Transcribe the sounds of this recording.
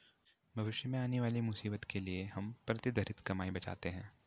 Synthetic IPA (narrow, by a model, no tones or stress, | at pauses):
bʱɐʋɪʃjəmẽaːneʋaːlimʊsiːbət̪kʰelieɦɐmpɾɐt̪ɪd̪ʱɐɾɪt̪kɐmaːibɐt͡ʃa̰ːt̪eɦɛ̃ː